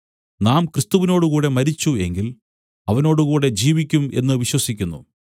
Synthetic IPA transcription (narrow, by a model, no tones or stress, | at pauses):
naːmkrɨst̪uʋino̞ːɽukuːɽe̞mɐɾit͡ɕːue̞̰ŋɡil | ɐʋɐno̞ːɽukuːɽe̞d͡ʑiːʋikʲːume̞̰nːɨʋiɕwɐsikʲːunːṵ